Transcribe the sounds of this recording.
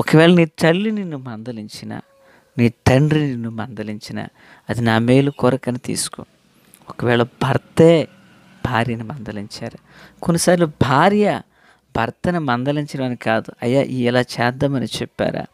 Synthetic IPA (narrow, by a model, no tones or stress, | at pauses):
ɔkɐʋɛːɭɐniːt̪ɐlːininːumɐnd̪ɐliɲt͡ʃina̰ː | niːʈ̪ɐɳɖɾininːumɐnd̪ɐliɲt͡ʃina̰ː | ɐd̪inaːmeːlukɔːɾɐkɐnit̪ḭːsu̥ko̰ | ɔkɐʋɛːɭɐbʱɐɾt̪eː | bʱaːɾjɐnimɐnd̪ɐliɲt͡ʃaːɾɐ | konːisaːɾiloːbʱaːɾjɐ | bʱɐɾt̪ɐnimɐnd̪ɐliɲt͡ʃɐɽɐmɐnikaːd̪uɐ̰jːa̰ːʔiːɛlaːt͡ʃɛːd̪ːɐmɐnit͡ʃɛpːa̰ːɾa̰ː